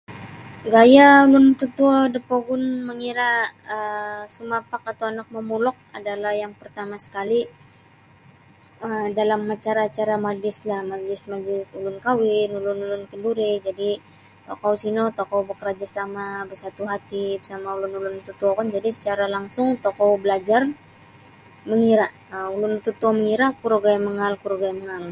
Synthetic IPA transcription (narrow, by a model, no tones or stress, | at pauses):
ɡajaulʊnt̪ut̪uɔdəpoɡʊnməŋiɾaəsumapakat̪awanak̚məmulɔk̚a̰dalahjaŋpərt̪amasə̥kali | ədalamːat͡ʃaɾat͡ʃaɾamad͡ʒlɪslahmalɪsmad͡ʒlɪsulʊnkawɪnulʊnulʊnkənduɾid͡ʒadi | t̪okɔwsinot̪okɔwbəkəɾad͡ʒasamabərsat̪uɦat̪ibsamaulʊnulʊnut̪ut̪uɔkand͡ʒadisə̥t͡ʃaɾalaŋsʊŋt̪ɔkɔwbəlad͡ʒar | məŋiɾa | əulʊnut̪ut̪uɔməŋiɾakuɾoɡajaməŋalkuɾoɡajaməŋal